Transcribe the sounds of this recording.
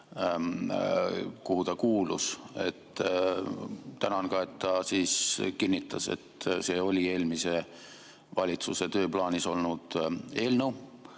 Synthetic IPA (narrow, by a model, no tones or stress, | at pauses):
kuhut̪ɑkuːluse̞̰t̪ː | t̪ænɑnkɑe̞t̪ːɑsiːskinːit̪ːˑɑse̞̰t̪ːse̞ːo̞lʲie̞ːlmise̞ | vɑlʲit̪suse̞t̪ø̞ːplɑːniso̞lnud̪̥e̞ːlnəw